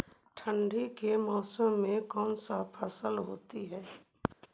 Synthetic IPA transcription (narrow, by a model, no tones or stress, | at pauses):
ʈʰə̃ɳɖʱikemaːsəmːẽkɔːnsaːpʰasəlɦoːt̪iɦɛː